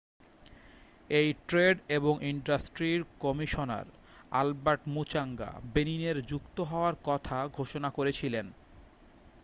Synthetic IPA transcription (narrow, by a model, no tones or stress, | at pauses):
ejʈɾeɖeboŋʔiɳɖasʈɾiɾkɔmiʃona̰ɾ | albaʈmut͡ɕaŋɡa̰benineɾd͡ʑukt̪oɦɔoaɾkɔt̪ʰaɡʱoʃonakoɾet͡ɕʰilen